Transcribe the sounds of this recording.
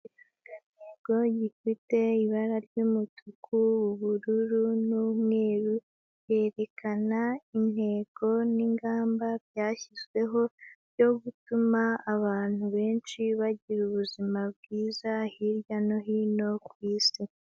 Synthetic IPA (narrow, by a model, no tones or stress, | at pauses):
aneɡ̥o̞ɟifite̞iβaɾaɾɟumutʰukʰuuβuɾuɾunumŋe̞ːɾu | je̞ːɾe̞kʰanain̥he̞ːɡ̥o̞niŋɡaːmbabjaːçizwe̞ɦo̞ɾɟo̞ɡutumaːβaːn̥uβe̞ːnʃiβaɟiɾuβuzimabɡiːzahiɾjano̞ɦiːno̞kwiːsi